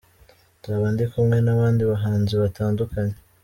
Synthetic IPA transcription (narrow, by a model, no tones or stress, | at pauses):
taβaːndikumŋe̞naβaːndiβaɦaːnziβatʰaːndukaɲe